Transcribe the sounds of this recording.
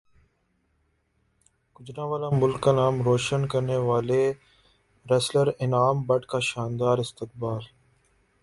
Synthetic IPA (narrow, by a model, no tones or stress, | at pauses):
kʊd͡ʒnãːʋaːlãːmʊlkːaːnaːmɾoːʃənkəɾneːʋaːleː | ɾəsləɾɪnaːmbəʈkaːʃaːnd̪aːɾɪst̪ɪk̚baːl